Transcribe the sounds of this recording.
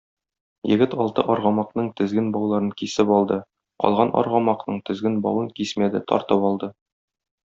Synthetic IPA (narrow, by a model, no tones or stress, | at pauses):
jɘ̆ɡɘt̪ɒlˠt̪ɤʔɒɾʁɑmɑqnɤɴt̪ɘ̆zɡɘnbɒwlˠɑɾɤŋkisɘpɒlˠd̪ɤ | qɒ̰lˠʁɑnʔɒ̰ɾʁɑmɑqnɤɴt̪ɘ̆zɡɘnbɒ̰wɤŋkismæd̪ɘt̪ʰɒ̰ɾt̪ɤpɒlˠd̪ɤ